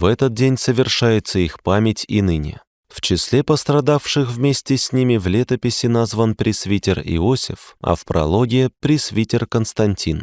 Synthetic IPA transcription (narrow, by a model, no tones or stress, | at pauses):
vɛt̪ət̪̚dʲenʲsəvʲɪrʂajɪt̪səixpamʲɪtʲinɨnʲɪ̰ | ft͡ɕɪsʲlʲepəst̪ɾɐd̪afʂɨxvmʲesʲtʲɪsʲnʲimʲɪvlʲet̪əpʲɪsʲɪnazvənpɾʲɪsvʲitʲɪrɪ̰osʲɪ̰fɐ̰fpɾɐ̰lˠoɡʲɪjɪpɾʲɪsvʲitʲɪrkənst̪ɐnʲtʲin